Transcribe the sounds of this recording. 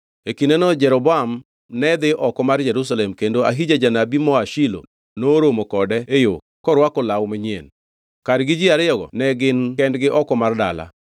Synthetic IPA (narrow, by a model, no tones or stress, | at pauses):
ekinɛnɔd͡ʒɛɾɔbɔam | nɛd̪ɪʔɔkɔmard͡ʒɛɾus̬alɛmkendoa̰ɦid͡ʒad͡ʒanabimɔaʃilo̰ | noɾomokɔdɛejo | kɔɾwakɔlawmɪɲjḛn | kaɾɡɪd͡ʒɪaɾɪɔɡɔ̰nɛɡɪnkɛndɡɪʔɔkɔmardala̰